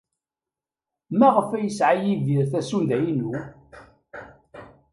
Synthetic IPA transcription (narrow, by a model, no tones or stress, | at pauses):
mæʁəfæjəsʕajiviɾθæsund̪æjinu